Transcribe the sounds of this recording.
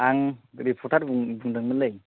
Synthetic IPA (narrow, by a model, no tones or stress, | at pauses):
aŋɾipʰɔɾtʰaɾbŋbuŋdaŋmɐlɯj